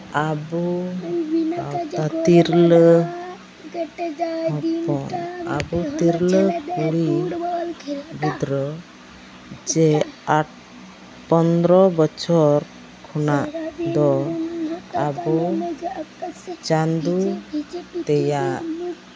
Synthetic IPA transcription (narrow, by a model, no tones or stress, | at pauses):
abu | at̪iɾlə | ɔpɔa̰but̪iɾləkuɽi | bid̪ɾɔ | d͡ʒɛaʈ̚ | pɔnd̪ɾɔbɔt͡ʃʰɔɾ | kʰɔnaʔd̪ɔ | a̰bu | t͡ʃand̪u | t̪ɛjaʔ